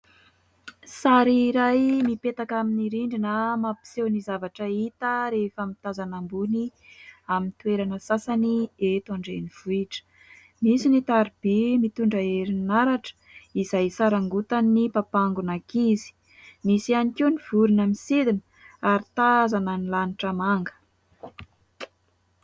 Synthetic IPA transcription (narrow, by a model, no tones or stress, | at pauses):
saɾiɾajmipet̪akaminiɾiɳɖ͡ʐinəmapi̥sewnizavaʈ͡ʂəit̪əɾefəmit̪azanambuniamint̪ueɾanəsasaniet̪aɳɖ͡ʐeniv̥uiʈ͡ʂə̥ | misinit̪aɾib̥imit̪uɳɖ͡ʐaeɾinnaɾaʈ͡ʂə̥ | izajsaɾaŋɡut̪anːipapaŋɡunakizi̥ | misianikiniv̥uɾunamisid̪inə̥ | aɾit̪azanənilaniʈ͡ʂəmaŋɡə̥